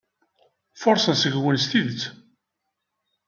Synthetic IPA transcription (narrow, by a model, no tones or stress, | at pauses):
fʊɾˤsənsəʝwənst̪iðət͡sː